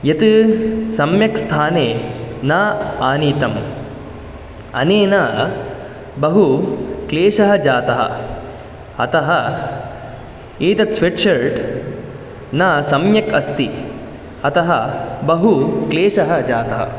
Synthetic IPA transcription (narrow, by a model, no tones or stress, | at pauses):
jɐt̪ɨsɐmjɐkst̪ʰaːneːnaːaːniːt̪ɐm | ɐ̰neːnaː | bɐɦukleːʂɐɦɐd͡ʒaːt̪ɐɦɐ̰ | ɐt̪ɐɦɐ | eːt̪ɐt̪sweʈʂɐɾʈ | naːsɐmjɐkɐst̪i | ɐt̪ɐɦɐbɐɦukleːʃɐɦɐd͡ʒaːt̪ɐɦɐ̰